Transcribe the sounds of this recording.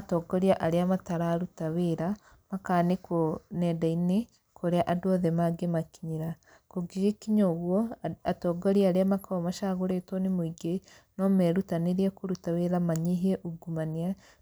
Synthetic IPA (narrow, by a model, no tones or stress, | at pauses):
atɔɡɔɾiaʔaɾeamataɾaːɾutaweɾa | makanekonɛdaine | koɾeaʔadwɔðɛmaɡemakiɲiɾa | koɡiɾekiɲoɣwɔatɔːɡɔɾiaaɾeamakaɔmaʃaɣoɾetɔnemoiɡe | nɔmɛɾutaneɾiɛkoɾutaweɾamaɲeɦɛʔuɡumania